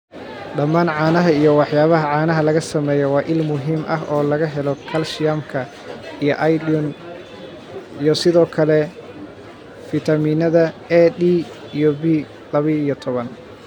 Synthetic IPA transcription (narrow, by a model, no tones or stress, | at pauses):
ɖɐmːaːnʕɑːnɐɦɐijɔwɑħjaːβɐɦɐʕɑːnɐɦɐlɐɣɐsɐmɛːjɔwɑːʔɪlmʊɦiːmʔɐɦɔːlɐɣɐɦɛlɔkʰɐlʃɪjɐmkʰɐ | ijɔʔɐjdun | ijɔsɪðɔːkʰɐlɛ | fɪt̪ʰɐmiːnɐðɐɛdi | ijɔbiː | lɐβiijɔt̪ʰɔβɐn